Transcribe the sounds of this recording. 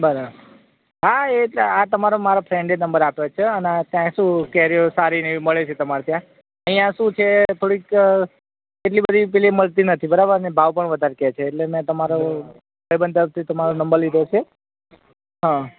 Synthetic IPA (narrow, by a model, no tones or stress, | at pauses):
bəɾabəɾ | ɦaeat̪əmaɾomaɾopʰɾẽɳɖenəmbəɾapjot͡ʃʰeənat̪jãʃũkɛɦɾiosaɾineməɭet͡ʃʰet̪əmaɾt̪jã | əɦĩjãʃũt͡ʃʰet̪ʰoɽik | keʈlibəd̪ʱip̬ɛɦliməlt̪inət̪ʰibəɾabəɾnebʱaʋpəɳʋəd̪ʱaɾket͡ʃʰeːʈlemɛ̃t̪əmaɾo | bəjbənd̪əɾəft̪ʰit̪əmaɾonəmbəɾlid̪ʱot͡ʃʰe | ɦã